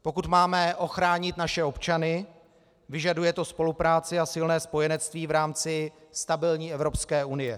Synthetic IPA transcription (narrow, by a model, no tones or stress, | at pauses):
po̞kut̪maːmɛʔo̞xɾaːɲɪt̪naʃɛo̞pt͡ʃanɪ | vɪʒadujɛt̪o̞spo̞lupɾaːt͡sɪasɪlnɛːspo̞jɛnɛt͡st̪viːvɾaːmt͡sɪst̪abɪlɲiːɛvɾo̞pskɛːunɪjɛ